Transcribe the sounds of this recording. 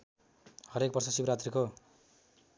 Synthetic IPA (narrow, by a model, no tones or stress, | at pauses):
hʌɾek̚bʌrsʌsibɾat̪riko